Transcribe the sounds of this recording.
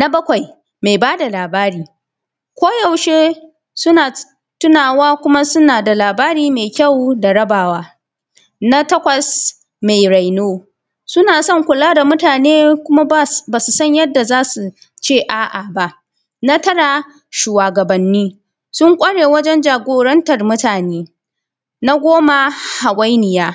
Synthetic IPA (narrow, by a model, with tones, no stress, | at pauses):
na˦bɐ˦kʷa˨j | me˨jbaː˦da˨laː˨baː˦ɾiː˦ | kʷoː˦jɐ˨wʃeː˦ | sʊ˦naː˨ | tʊ˦naː˨waː˦kʷʊ˦ma˦sʊ˦naː˨da˨laː˨baː˦ɾiː˦me˨kʲɐ˦˨wda˨ɽɐ˦baː˨waː˦ | na˦tɐ˦kʷɐ˨s | me˨jɾa˨jnoː˦ | sʊ˦naː˨sɔ˦˨ŋkʷʊ˨laː˦da˨mʊ˦taː˨neː˦kʷʊ˦ma˦baː˨su˨sɐ˦ɲjɐ˦dːa˨zaː˦su˨ | t͡ʃeː˦˨ʔaː˨ʔa˨ba˨ʔ | na˦tɐ˦ɽaː˨ | ʃuː˨waː˨ɡɐ˨bɐ˨nːiː˦ | sʊ˦ŋkʷʼɐ˦ɽeː˨wɐ˦d͡ʒɛ˦nd͡ʒaː˨ɡʷoː˨ɾɐ˦ntɐ˨rmʊ˦taː˨neː˦ | na˦ɡʷoː˦ma˦ha˨kʷʼa˦jnɪ˨jaː˦